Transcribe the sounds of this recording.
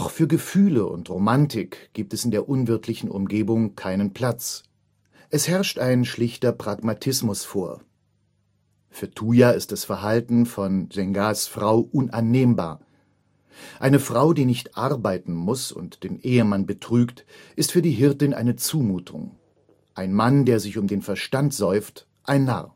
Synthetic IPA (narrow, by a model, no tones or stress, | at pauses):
d̥ɔχfyːɐɡəfyːləʊ̰ntʁomantʰɪkɡ̥iːp̚tɛsɪndeːɐʔʊnvɪɐkʰlɪçn̩ʔʊ̰mɡeːbʊŋkʰaɪnənpʰl̥at͡s | ʔɛshɛɐʃtʔaɪnʃlɪçtɐpʁ̥aɡmatʰɪsmʊsfoːɐ | fyːɐtʰuːjaɪst̚d̥asfɛɐɦaltn̩fɔnzɛŋɡaːsfʁ̥aʊʔʊnʔanːeːmbaːɐ | ʔaɪnəfʁ̥aʊdiːnɪçtʔaʁbaɪtn̩mʊsʊ̰ntd̥eːnʔeːəmanbətʁ̥yːktʔɪstfyːɐdiːɦɪʁtɪnʔa̰ɪnət͡suːmuːtʰʊ̰ŋ | ʔaɪnmandeːɐzɪçʊmdeːnfɛɐʃtantz̥ɔʏft | ʔaɪnːa̰ː